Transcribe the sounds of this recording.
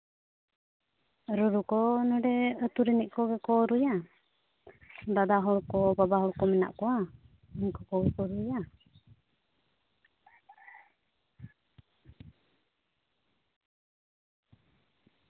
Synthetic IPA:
ɾɔɾukɔnɔɖɛət̪uɾɛnɛʔkɔɡɛkɔɾuja | d̪ad̪aɦɔɭkɔbabaɦɔɭkɔmɛna̰ʔkɔwa | iɲkɔkɔɡɛkɔɾuja

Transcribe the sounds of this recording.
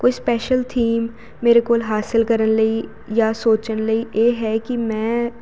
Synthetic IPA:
koːispɛːʃəlt̪ʰiːmː | eːɾekoːlɦaːsɪlkəɾənləi | jaːsoːt͡ʃənləiʔeːɦɛːkimɛ̃ː

